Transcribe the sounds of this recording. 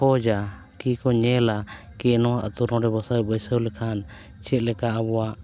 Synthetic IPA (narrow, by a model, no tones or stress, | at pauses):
ɔd͡ʒa | kikɔɲɛla | kɛnɔwaʔə̰t̪uɾɔ̃ɾɛbɔsajbɔjsəwlɛkʰan | t͡ʃɛt̪̚ˀlɛkaʔabɔwaʔ